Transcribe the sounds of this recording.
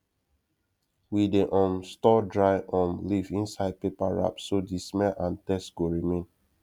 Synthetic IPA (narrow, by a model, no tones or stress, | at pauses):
wideʔɔ̃nstɔdɹajɔ̃mlivĩnsaɪd̚pepaɹa̰psodismɛʔãntɛsɡ̥oɹimĩn